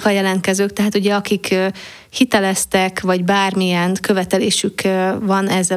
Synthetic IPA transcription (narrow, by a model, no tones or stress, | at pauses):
kɒjɛlɛnt̪̚kɛzøːkt̪ɛɦaːt̪uɟɛɒkikː | hit̪ɛlɛst̪ɛkʋɒɟbaːrmijɛnkø̞vɛt̪ɛleːʃykvɒnɛzɛ